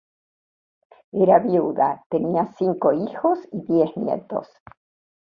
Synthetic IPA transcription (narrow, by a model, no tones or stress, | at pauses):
eɾaβjuða̰t̪eniasiŋkoixosiðjeznjḛt̪o̰s